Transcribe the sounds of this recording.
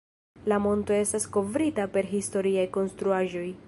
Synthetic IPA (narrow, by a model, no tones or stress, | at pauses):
lamo̞nto̞e̞stasko̞vɾitape̞ɾɦisto̞ɾiajko̞nstɾuaʒo̞j